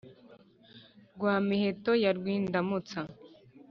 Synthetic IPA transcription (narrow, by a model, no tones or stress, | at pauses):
ɾɡwaːmiheto̞jaɾɡwiːndamut͡sa